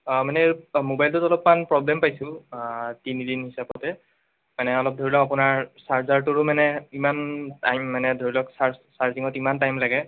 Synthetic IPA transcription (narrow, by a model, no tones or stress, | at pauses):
manɛmobajltʊtɔlɔpmanpɹɔblɛmpajsʊ̃ | tinidinɦisapɔtɛ | manɛɔlɔp̚dʱoɹilɔkapʊnaɹsaɹzaɹtuɹʊmanɛimantajmːanɛdʱoɹilɔksaɹsaɹziŋɔtimantajmlaɡɛ